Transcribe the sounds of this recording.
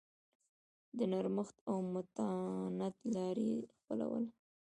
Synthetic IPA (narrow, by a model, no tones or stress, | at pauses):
d̪ənaɾməxt̪awmʊt̪anat̪lɑɾḭxpəla̰wə̰l